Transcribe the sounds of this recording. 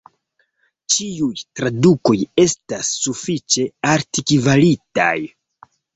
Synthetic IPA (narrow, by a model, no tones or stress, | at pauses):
t͡ʃiujtɾaduko̞je̞stasːufit͡ʃe̞aɾtikivalita̰j